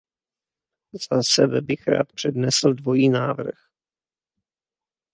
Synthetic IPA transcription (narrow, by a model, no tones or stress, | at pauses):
z̥asɛbɛbɪxɾa̰ːt̪pr̝̥ɛdnɛsl̩dvo̞jiːnaːvr̩x